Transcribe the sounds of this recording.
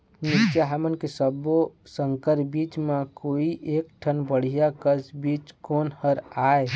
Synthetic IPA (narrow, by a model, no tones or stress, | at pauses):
nɪʃjaɦəmənkesəbosə̃ŋkəɾbiːt͡ʃmẽkoːiʔeːk̚ʈʰənbəɽ̤ijakəsbiːt͡ʃkoːnhəɾaːe